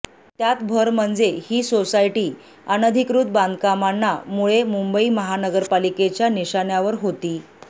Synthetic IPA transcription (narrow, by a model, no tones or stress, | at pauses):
t̪jat̪bʱəɾm̤əɳd͡zehiːsosaiʈiː | ənəd̪ʱikɾut̪̚band̪kamanːamuɭemumbəiːməɦanəɡəɾpaliket͡ɕjaniɕaɳjaʋəɾɦot̪iː